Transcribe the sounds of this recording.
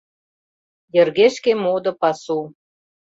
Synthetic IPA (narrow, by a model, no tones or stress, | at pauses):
jə̆rɣeʃkemod̪ɤ̆pɑsu